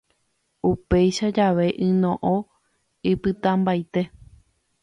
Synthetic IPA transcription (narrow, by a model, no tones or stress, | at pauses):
upe̞jʃad͡ʒaʋe̞ʔɨ̃nõʔõ | ɨpɨt̪ãmbajt̪e̞